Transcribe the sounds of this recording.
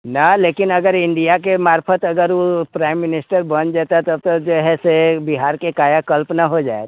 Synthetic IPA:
nɐleːkɪnɐɡəɾɪ̃nɖijakemaːɾpʰət̪ɐɡəɾopɾaːɪmːɪnɪsʈəɾbɐ̃nd͡ʒaːt̪aɛt̪ɐb̚t̪od͡ʒoːɦɛsebiɦaːɾkekaːjakɐlpnɐɦod͡ʒaːe

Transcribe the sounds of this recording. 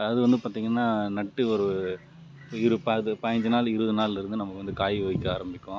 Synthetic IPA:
ɐðɯʋɐnd̪ɯpaːɾt̪iːŋɡɐnːaːnɐʈːɯɔɾɯ | ɪɾɯpɐðɯpɐjɐɲd͡ʒɯnaːlɪɾɯðɯnaːlɪɾɯnd̪ɯnɐmːɐkːɯʋɐnd̪ɯkaːjʋɐɪkːɯaːɾɐmbɪkːõ

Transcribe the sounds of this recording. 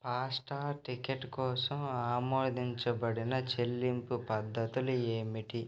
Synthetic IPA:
paːsʈaːʈikeʈkɔːsɐmaːmoːd̪ʱiɲt͡ʃɐbɐɽinɐt͡ʃe̞lːimpupɐd̪ʱːɐt̪ulue̞ːmiʈi

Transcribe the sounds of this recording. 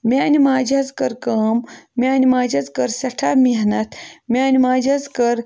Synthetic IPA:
mʲaːnʲimaːd͡ʒɐzkɐɾkɐːmːʲaːnʲimaːd͡ʒɐzkɐɾsɐʈʰaːmiɦnɐt̪ʰmʲaːnʲimaːd͡ʒɐzkəɾ

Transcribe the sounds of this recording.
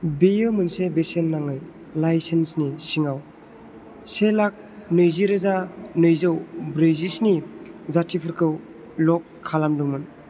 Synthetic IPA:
bejɯmɯnsebesenːaŋɯj | lajsensnisiŋaw | selak̚ | nɯjziɾɯzanɯjzɯwbɾizisnizatʰipʰɯɾkʰɯw | lɔk̚kʰːalamduŋmɯn

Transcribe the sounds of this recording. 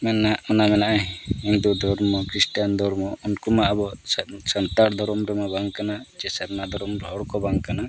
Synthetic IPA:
mɛnaɔnamɛnaʔajɦind̪ud̪ʱɔɾmɔkɾisʈjand̪ʱɔɾmɔunkumaʔabɔsant̪aɾd̪ʱɔɾɔmɾɛmabaŋkanad͡ʒɛsɛɾnad̪ʱɔɾɔmɾɛɦɔɽkɔbaŋkana

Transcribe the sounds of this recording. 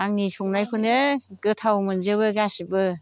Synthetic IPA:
aŋnisɔŋnajkʰɯnɯɡ̥ɯtʰawmɯnzɯβɯɡasibɯ

